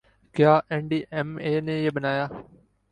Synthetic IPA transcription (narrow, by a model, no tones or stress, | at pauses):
kɪjaːʔẽːɳɖiːʔeːmeːnẽːjeːbənaːjaː